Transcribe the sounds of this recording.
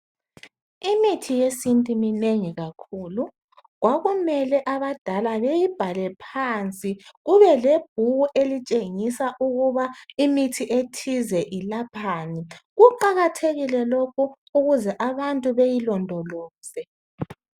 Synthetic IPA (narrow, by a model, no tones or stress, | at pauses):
imitʰijesintʼimineŋiɣakʰulu | ɣwaɣumɛlɛʔaβad̥ʱalaβejib̥ʱalɛpʰant͡sʼiɣuβɛleb̥ʱuɣuʔelit͡ʃʼeŋisaʔuɣuβaimitʰiʔetʰizɛʔilapʰaːniɣuǃaɣatʰeɣilɛlokʰu | uɣuzɛʔaβantʼuβejilɔndʱɔlɔːsɛ